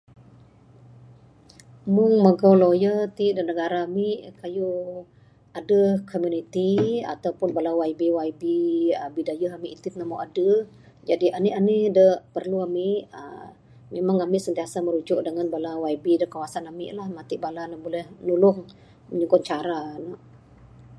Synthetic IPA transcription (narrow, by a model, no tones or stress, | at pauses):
mʊŋməɡawlojət̪idənəɡaɾaːmiʔkaju | adəkʰomjunit̪ia̰t̪awpʊnbalawaibiwaibiəbidajəɦamɪʔit̪ɪt̪namaʔadə | d͡ʒadiʔaniʔanidəpərluamɪʔə̰ | memaŋamɪʔsənt̪iasaməɾud͡ʒʊʔdəŋanbalawaibidəkawasanamɪ̰ʔlahmat̪iʔbalanabolɛhnulʊŋ | məɲuɡɔt̪̚t͡ʃaɾanaʔ